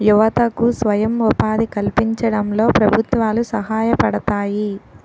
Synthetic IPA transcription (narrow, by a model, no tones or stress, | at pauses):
juʋɐt̪ɐkusʋɐjɐmupaːd̪ikɐlpiɲt͡ʃɐɽɐmlo̞ːpɾɐbʱut̪ʋaːlusɐɦaːjɐpɐɽɐt̪aːji